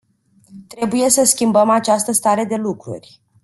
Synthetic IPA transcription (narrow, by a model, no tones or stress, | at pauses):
t̪ɾe̞buje̞səskʲimbəmat͡ʃast̪əst̪aɾe̞d̪e̞lukɾṵrʲ